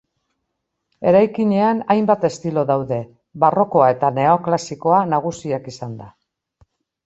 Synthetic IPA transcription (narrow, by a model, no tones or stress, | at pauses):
e̞ɾajkiɲe̞anajmbat̪e̞st̪ilo̞ðawðe̞ | βaro̞ko̞ae̞t̪ane̞oklasiko̞anaɣ̞usiakisand̪a